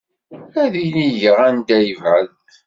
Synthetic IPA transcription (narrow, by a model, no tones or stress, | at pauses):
æðiliʝəʁænd̪æjəvʕəlt̪